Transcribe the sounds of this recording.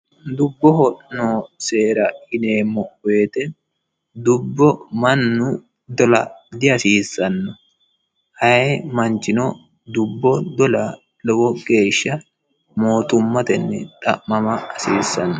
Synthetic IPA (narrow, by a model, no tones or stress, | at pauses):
d̪ʊbːɔhɔʔnoːse̞ːɾɐɪneːmːɔweːt̪ɛ | d̪ʊbːɔmɐnːʊ | d̪ɔlɐ̰d̪ɪɐsiːsːɐnːɔ | hɐmɐnt͡ʃɪnɔ | d̪ʊbːɔd̪ɔla | lɔwɔɡe̞ːʃːɐ | mo̞ːt̪ʊmːɐt̪ɛnːɛ̰t̪ʼɐ̰ːɐmɐːsiːsːɐnːɔ